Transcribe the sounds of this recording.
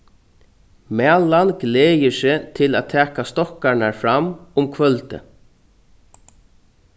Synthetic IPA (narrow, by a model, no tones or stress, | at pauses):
mɛːlanɡleːjɪsɪːt̪ʰɪlaːt̪ʰɛːkast̪ɔhkanaɹfɾamʊmkʰʋœlt̪ɪ̰